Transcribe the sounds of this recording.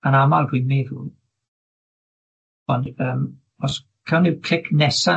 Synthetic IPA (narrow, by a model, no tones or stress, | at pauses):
ənamalˠdwinmeːðṵː | ɔndəːm | ɔs | kʰɛwnikʰl̥ɪkʰnɛsa